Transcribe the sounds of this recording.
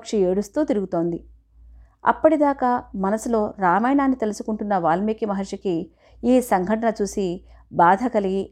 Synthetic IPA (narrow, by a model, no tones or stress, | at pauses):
kʂɐe̞ːɽust̪uːt̪iɾuɡut̪o̞ːnd̪i | ɐ̰pːɐʈid̪aːkaːmɐnɐsilo̞ːɾaːmɐjnaːnːit̪e̞lusukuɳʈunːɐʋaːlɐmiːkimɐɦɐɾʂɐki | iːsɐŋɡʱɐʈɐnɐt͡ʃuːsi | baːd̪ʱɐkɐli